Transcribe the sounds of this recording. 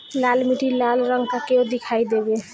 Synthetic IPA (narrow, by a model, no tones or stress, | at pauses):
lalmiʈilalɾəŋɡkakeod̪ikʰajd̪ebe